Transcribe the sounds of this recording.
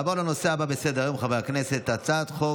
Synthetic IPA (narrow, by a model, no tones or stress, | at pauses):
avoʁleno̞seababesed̪eʁajomχavejakneset̪ːat͡sat̪χo